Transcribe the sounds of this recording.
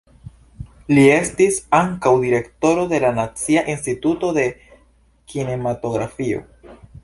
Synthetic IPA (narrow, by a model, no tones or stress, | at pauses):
lie̞stisaŋkawdiɾe̞kto̞ɾo̞d̪e̞lanat͡siaʔinstituto̞d̪e̞ | kine̞mato̞ɡɾafio̞̰